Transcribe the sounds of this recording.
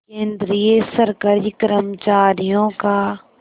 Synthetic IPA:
kẽːnd̪ɾijesəɾkəɾikəɾəmət͡ʃaːɾijõka

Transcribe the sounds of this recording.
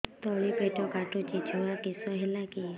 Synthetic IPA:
t̪ɔɭipəjʈɔkaʈut͡ʃit͡ʃʰɔakisɔɦelaki

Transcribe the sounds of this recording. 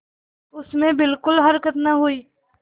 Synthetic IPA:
ʊsmẽbɪlkʊlɦɐɾkət̪nɐɦʊiː

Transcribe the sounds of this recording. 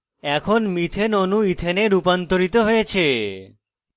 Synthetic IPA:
ɛkʰonmit̪ʰenonũit̪ʰeneɖupant̪oɾit̪oɦojet͡ʃʰe

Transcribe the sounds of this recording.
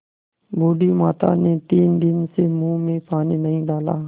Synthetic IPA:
bʱoːɖiːmaːt̪a̰ːneːt̪iːnd̪ɪnsemũːmẽːpʰaːniːnəɦĩːɖaːlaː

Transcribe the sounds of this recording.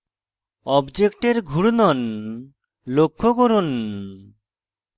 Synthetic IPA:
ɔbd͡ʒekʈeɾɡʱuɽnɔn | lokʰːokoɾon

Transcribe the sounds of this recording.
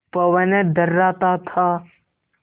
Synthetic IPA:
pɐʋɐned̪ɐɾːaːt̪at̪ʰa

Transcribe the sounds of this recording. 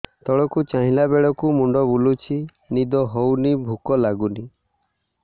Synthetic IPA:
t̪ɔɭɔkut͡ʃaɦĩlabeɭɔkumuɳɖɔbulut͡ʃʰi | nid̪ɔɦownibʱukɔlaɡuni

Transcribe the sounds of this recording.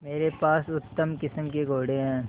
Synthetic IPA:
meːɾepaːsʊt̪ːəmkɪsəmkeɡʱoːɽeɦɛ̃ː

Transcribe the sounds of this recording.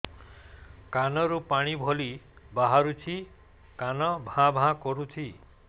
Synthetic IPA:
kanɔɾupaɽ̃ibʱolibaɦaɾut͡ʃʰi | kanɔbʱãbʱãkɔɾut͡ʃʰi

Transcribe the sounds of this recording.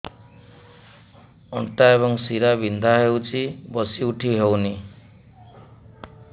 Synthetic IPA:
ʌ̰ɳʈaebʌŋsiɾabʱind̪ʱaɦewt͡sʰibʌsiuʈʰiɦewni

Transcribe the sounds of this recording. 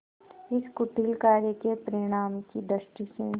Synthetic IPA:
ɪskʊʈilkaːɾjəkepəɾɪɽ̃aːmkid̪ɾəʃʈisẽ

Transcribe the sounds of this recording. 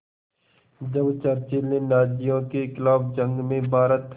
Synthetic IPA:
d͡ʒəbt͡ʃɐɾt͡ʃelːẽnaːd͡ʒijõkeklaːbd͡ʒə̃ŋɡmẽbʱaːɾət̪

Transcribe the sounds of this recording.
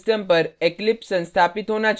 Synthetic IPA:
sʈəmpəɾeklipsə̃nst̪ʰapit̪ɦonad͡ʒ

